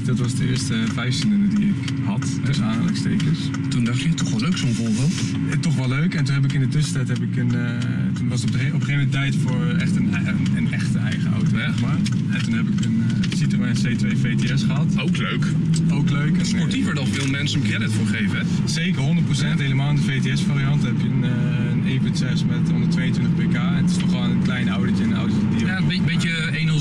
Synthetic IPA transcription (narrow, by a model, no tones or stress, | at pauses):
d̥ɑtʋɑsdəɪ̰ːɹstəvɛjfsələnədiɪk | ɦɑt | dɛsaːə̰lə̰kstḛjkəs | tundɑχjətɔχʋɛløɥksonvolˠbɪlˠt | tɔχʋɛløɥkɛntunɦɛp̬ɪkɪndətʏsəntɛjtɦɛpɪkən | tunʋɑs | ɔpəχejfmɛntɛjtfʊːɹɛ̰χtən | ənɛχtəʔɛ̰jχə̰ɑ̰wto | χmaː | ɛntunɦɛpɪkən | sitromɛsejtʋejvejteɛsχəɦɑtokløɥk | owkløɥkspɔɹtivəɹdɔffɪlˠmɛnsəəkɛdɪtfʊːɹχejvə | sejkəɹɦɔndət̚prosɛntɦejləmaːlˠɪndəvejteɛsfaːɾiɑntəɦɛpjəənə | ənejpetɛsmɛtɦɔndətʋejəntʋɪntəχpejkaːɛ̰nətɪ̥stɔχonənklɛjnɑwdət͡ʃənɔ̰wdoədiabbeə | ejnɔ